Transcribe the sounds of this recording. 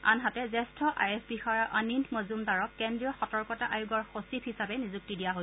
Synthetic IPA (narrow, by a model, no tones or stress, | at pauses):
a̰nɦatɛzɛstʰɔʔa̰jɛsbixaɹaʔanintmozumdaɹɔkkɛndɹiɔxɔtɔɹkɔtaʔajuɡɔɹxosipʰhisabɛnizuk̚tidijaɦo